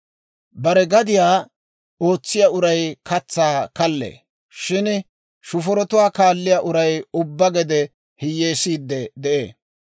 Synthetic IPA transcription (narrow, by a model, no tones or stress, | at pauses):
bɐɾɛɡɐd̪ɪjaː | o̞ːt͡sːɪjaːʊɾɐjkɐt͡sːaːkɐlːḛː | ʃɪn | ʃʊfɔɾɔt̪ʊwaːkaːlːɪjaːʔʊɾɐjʊbːɐɡɛd̪ɛ | hɪjːe̞ːsiːd̪ːɛd̪ɛʔḛː